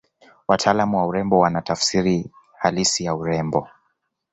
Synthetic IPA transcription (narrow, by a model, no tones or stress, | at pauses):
watʰaːlamuwauɾɛmbɔwanatafsiɾi | halisijauɾɛmbɔ